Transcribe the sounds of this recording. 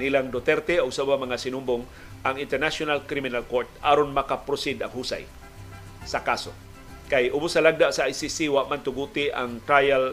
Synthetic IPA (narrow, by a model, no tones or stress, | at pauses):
nilaŋd̪ot̪ɛɾt̪ɛoɡsabamɐŋasɪnʊmbʊŋ | ʔaŋɪnt̪ɛɾnasjonalkɾimɪnalkoɾt̪̚ʔa̰ːɾonmakapɾʊsɪd̪a̰ŋhuːsa̰j | sakaso̰ | kajʔʊbʊsɐlaɡ̚d̪aʔsaajsisiwaʔmant̪ʊɡuːt̪ɪʔa̰ŋt̪ɾajal